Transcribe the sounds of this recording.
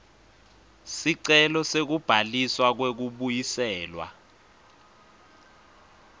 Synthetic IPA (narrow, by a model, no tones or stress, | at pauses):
siǀɛlɔsek̬ub̥ʱaliswak̬wek̬uɓujisɛːlwa̰